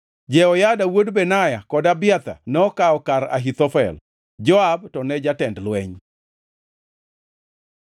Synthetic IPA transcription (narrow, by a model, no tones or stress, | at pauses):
d͡ʒɛɔjadawodbɛnajakɔdabɪat̪a̰nɛɔkaɔkaɾa̰ɦit̪ɔfɛ̰l | d͡ʒɔabtɔnɛd͡ʒatɛndlwɛɲ